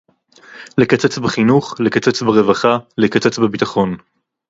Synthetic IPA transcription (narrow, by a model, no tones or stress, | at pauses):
lekat͡set͡sbeχinuχlekat͡se̞t͡sbeʁe̞vaχalekat͡set͡sbebitaχo̞n